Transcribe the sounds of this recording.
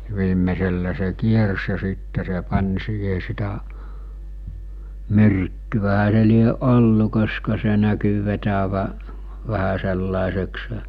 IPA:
ʋiːmːeselːæ se se kiers jɑ siːtːe se pɑnʲ siːhe sitæ myrkːyʋæhæ se lieʔ ʔolːu koskɑ se næky ʋetæʋæ ʋæhæ selːɑˑesekse̥

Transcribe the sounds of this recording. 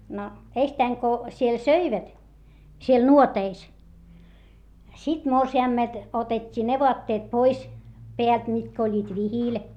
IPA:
no eistæiŋ ko siel søiʋæt siel nuoteis sit morsiɑˑmːelt otetʲːiː ne ʋoɑtːeːt pois peælt mitkæ olʲːiːt ʋihiˑl

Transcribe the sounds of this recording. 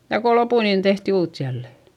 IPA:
jɑ ko lopuˑ niːn tehti uːt jælːe

